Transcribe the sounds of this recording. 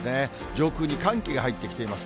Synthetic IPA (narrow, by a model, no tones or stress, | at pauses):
ne | d͡ʑo̞ːkɯːɲ̟ikãŋkʲiɡahait̪ːe̞kʲi̥t̪e̞imasɨ̥